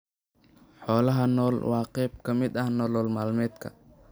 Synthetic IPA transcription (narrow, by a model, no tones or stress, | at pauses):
ħɔːlɐɦɐnɔːlwɑːqɛːbkʰɐmɪd̪ɐhnɔːlɔːlmaːlmɛːd̪kʰɐ̰